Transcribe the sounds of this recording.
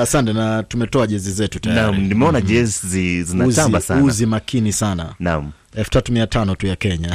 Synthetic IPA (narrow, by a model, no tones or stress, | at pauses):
asantɛnatumɛtɔaʄɛzizɛtutajamɾinimɛɔnaʄɛzzizinauzt͡ʃambasaunzimakʰinisana̰nam̩ | ɛlfu̥tatumiatanɔtujakɛɲa